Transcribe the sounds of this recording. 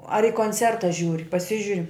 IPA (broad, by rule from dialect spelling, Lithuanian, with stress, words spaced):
ɐr ɪ koːnʲˈt͡sʲɛrtɐ ˈʒʲuːrʲɪ pɐˈsʲɪʒʲʊrʲɪ